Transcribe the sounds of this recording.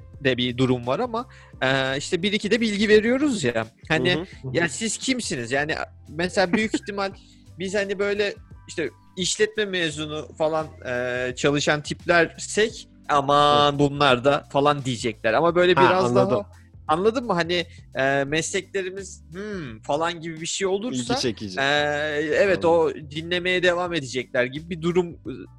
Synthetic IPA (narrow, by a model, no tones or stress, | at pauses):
d̪ɛbid̪uɾumvaɾama | ɛːiʃt̪ʰɛbiɾicʰid̪ɛbilʲɟive̞ɾijo̞ɾuzjahanijasiz̥cʰimsinizjaːnḭʔ | mɛselʲaːbyjyciçt̪ʰimalʲ | bizhanibø̞jlʲɛiʃt̪ʰɛ | iʃlʲɛt̪̚mɛmeːzunufalˠanɛːt͡ʃʰalˠɯʃant̪ʰiplʲæɾsɛc | amanbunlˠaɾd̪afalˠand̪ijid͡ʒɛclʲæɾamabø̞jlʲɛbiɾazdd̪aaɦ | anlˠad̪ɯnmɯɦaniɛːmɛslʲɛclʲe̞ɾimiz̥h̩falˠanɟibibiʃejo̞lˠuɾsaiɛɛvɛt̪o̞d̪inlʲe̞me̞jɛd̪e̞vaːme̞d̪ed͡ʒɛclʲæɾɟibibid̪uɾum